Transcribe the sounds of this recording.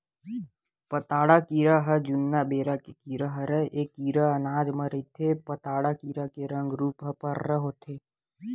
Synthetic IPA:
pɐt̪aːɽakiːɾaɦɐd͡ʒʊnːabeːɾakekiːɾaɦəɾəʔeːkːiːɾaɐnaːd͡ʒməɾit̪ʰepɐt̪aːɽakiːɾakeɾɐ̃ŋɡɾuːpɦɐpəɾːəɦot̪ʰeː

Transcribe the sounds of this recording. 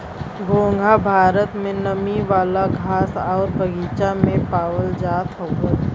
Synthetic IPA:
ɡoːŋɡʱabʱaːɾət̪mẽnɐmiʋaːlaɡʱaːsɔːɾbʱɐɡiːt͡ʃamẽpaːwəld͡ʒaːt̪ɦoːɡa

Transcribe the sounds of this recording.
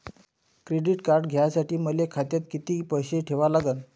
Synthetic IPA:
kɾeɖiʈkaɾɖɡʱjasaʈiːməlekʰat̪jat̪kit̪iːpəjɕeʈʰeʋalaɡən

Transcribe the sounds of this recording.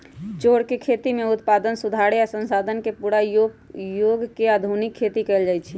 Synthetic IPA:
t͡ʃoɽkekʰet̪imeut̪pad̪ənsud̪ʱaɾeasə̃nsad̪ʱənkepuɽajojoɡkeəd̪ʱunikʰːet̪ikɛld͡ʒajt͡ʃʰi

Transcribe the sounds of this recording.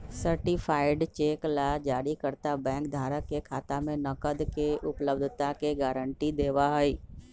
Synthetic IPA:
səɾʈɪfʰaːɪɖt͡ʃeːklad͡ʒaːɽikəɾt̪abɛ̃ːŋkd̪ʱaːɾəkːekʰaːt̪amẽnɐkəd̪ʱkeʔʊpləbd̪ʱt̪akeɡaːɾəɳʈid̪eːʋaɦəiː

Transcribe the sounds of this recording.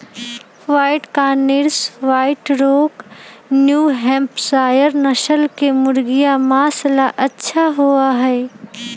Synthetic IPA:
ʋaːɪʈkanɪɾsʋaːɪʈɾoːknjuɦɛ̃ːmpsaːjəɾnɐʃəlkemʊɾɡɪjamaːslaʔɐtːʃʰaɦuaɦɛː

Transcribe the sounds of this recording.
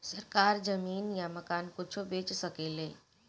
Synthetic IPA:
sɐɾkaːɾd͡ʒɐmiːnjamɐkaːnkʊt͡ʃʰobeːt͡ʃsɐkeːleː

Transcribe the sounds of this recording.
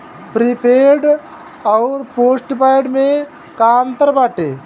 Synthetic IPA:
pɾipeːɖ | ɔʊɾpoːsʈpajɖmẽ | kaːnt̪əɾbaːʈeː

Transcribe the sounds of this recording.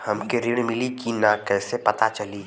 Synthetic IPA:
hɐmkeɾiɽ̃mɪlikinakɛːsepɐt̪at͡ʃɐli

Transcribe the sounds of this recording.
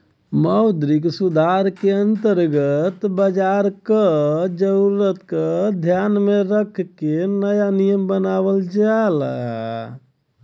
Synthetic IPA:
məwd̪ɾiksud̪ʱaɾkeənt̪əɾɡət̪bəd͡ʒaɾkəd͡ʒəɾuɾət̪kəd̪ʱjanmeɾəkʰkenəjanijəmbənaβəld͡ʒal̰

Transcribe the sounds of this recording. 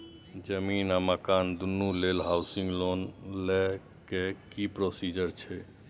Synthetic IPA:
d͡ʒəmiːnaməkaːnd̪unːuleːlɦaːʊsĩŋɡloːnle | kekipɾoːsiːd͡ʒəɾt͡ʃʰɛ

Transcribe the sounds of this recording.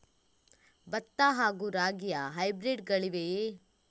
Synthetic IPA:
bɐt̪ːaɦaːɡuɾaːɡijɐɦɐjbɾiɖɡɐɭiʋeje

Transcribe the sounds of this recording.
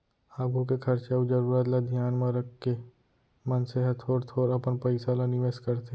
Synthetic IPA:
aːɡuk̬ekʰɐɾt͡ʃaud͡ʒɐɾuːɾət̪lad̪ʱijaːnmãɾəkːe | mənseɦɐt̪ʰoːɾt̪ʰoːɾɐpənpɐɪsalanɪʋeːskəɾt̪e

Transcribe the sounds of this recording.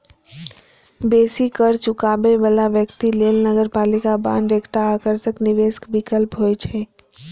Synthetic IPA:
besikəɾt͡ʃukabebəlaʋjəkt̪ilelnəɡəɾpalikabã̰nɖ̪ekʈaːkəɾsəkniʋeskbikəlpɦojt͡ʃʰɛ

